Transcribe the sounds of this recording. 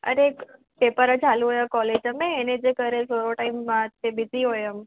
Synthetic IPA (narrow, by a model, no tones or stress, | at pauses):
ə̰ɾe | pepəɾə̃t͡ʃaluɦojakɔled͡ʒəmeːned͡ʒekəɾes̬oɾoʈaɪmːãt̪ebiziɦojəm